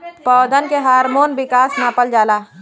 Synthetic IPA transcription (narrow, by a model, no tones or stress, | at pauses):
pɔːd̪ənkeɦaːɾmoːnbɪkaːsnaːpəld͡ʒaːlaː